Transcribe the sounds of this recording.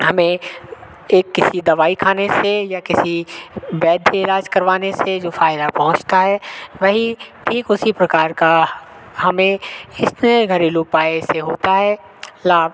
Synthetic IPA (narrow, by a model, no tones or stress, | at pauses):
hɐmẽ | eːkːɪsid̪ɐʋaːikʰaːnesejakɪsibɛːd̪ʱɪlaːd͡ʒkɐɾʋaːnesed͡ʒoːfaːɪd̪apɐɦʊ̃t͡ʃt̪aɦɛːʋɐɦiʈʰiːkʊsipɾɐkaːɾka | ɦɐmẽɪsneɡʱɐɾiluːpaːeseɦoːt̪aɦɛː | laːb